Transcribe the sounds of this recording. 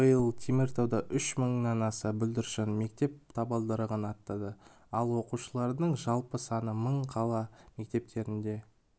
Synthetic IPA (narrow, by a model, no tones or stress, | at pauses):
bəjəlˠt̪ʲʰemʲert̪ʰowd̪ɑʔʏʃməɴnɑnɑsəbʏld̪ɪɾʃɪnme̞k̚t̪e̞p̚t̪ʰɑbɑlˠd̪əɾəʁənɑt̪ːɑd̪ə | ɑlˠwo̞quʃəlˠɑɾd̪əɴʒɑlˠpəsɑnəməɴqʰɑlˠɑme̞k̚t̪e̞p̚t̪e̞ɾɪnd̪e̞